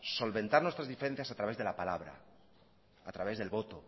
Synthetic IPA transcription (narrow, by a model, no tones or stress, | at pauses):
so̞lβe̞nt̪aɾnwe̞st̪ɾazðifeɾe̞n̟θjasat̪ɾaβe̞zðe̞lapalaβɾa̰ | at̪ɾaβ̞e̞zðe̞lβo̞t̪o